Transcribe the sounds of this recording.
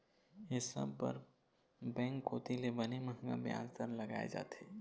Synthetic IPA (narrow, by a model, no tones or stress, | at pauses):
ɦɪsə̰bpə̰ɾ | bɛ̃ŋkːoːt̪ilebəneməɦŋɡa̰bja̰ːzt̪əɾləɡa̰ːḛd͡ʒa̰ːt̪eː